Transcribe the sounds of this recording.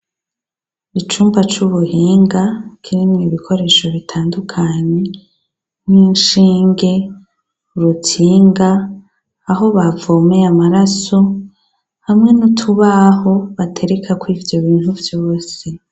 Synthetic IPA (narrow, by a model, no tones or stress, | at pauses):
it͡ʃuːmbat͡ʃuβuhiːŋɡakʰiɾimŋeβikʰo̞ɾe̞ːʃo̞βitʰaːndukʰaɲe̞ | niːnʃiːŋɡe̞ | uɾutʰiːŋɡaː | ɦo̞βavoːmeamaɾaso̞ | hamŋe̞nutʰuβaho̞βatʰe̞ɾe̞kʰakwiːvjo̞βiːn̥huvjoːse